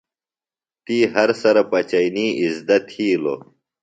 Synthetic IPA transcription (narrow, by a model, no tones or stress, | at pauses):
t̪iːɦɐɾsɐɾɐpɐt͡ɕɐjniːizd̪ɐt̪ʰiːlo̰